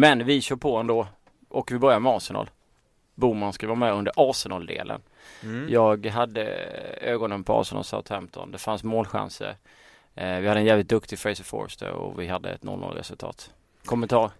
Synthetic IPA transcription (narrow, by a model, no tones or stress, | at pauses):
mɛnvɪɕœːɾpʰɔɛnd̪oː | ʔɔkvɪbœɾjamɛɑːsɪnɑ̰ːl | buːmanskavɪvɑːɾmɛɵnd̪əɾʔɑːsɛnɑːld̪ḛːlʔə̰n | jɑːɡɦad̪ːə̰øːɡɔnənpʰɔɑ̰ːsənɑ̰lsa̰ʊt̪fɛmt̪ʰɔnd̪ɛfansmoːlɧa̰nsə̰ɾ | vɪhad̪ːəɛnjæːvɪt̪̚d̪ɵkt̪ɪfɾɛɪsəfo̰ːɾsd̪əɾɔ̰vɪɦad̪ːəɛt̪nɔ̰lːɔ̰lɾɛ̰sɵlt̪ʰɑ̰ːt̪ | kʰɔmənt̪ʰɑːɾ